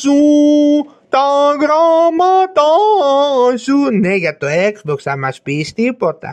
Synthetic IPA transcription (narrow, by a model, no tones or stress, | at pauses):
su | t̪aɡɾamat̪a | sunejat̪oeksbɔksamaspist̪ipɔt̪a̰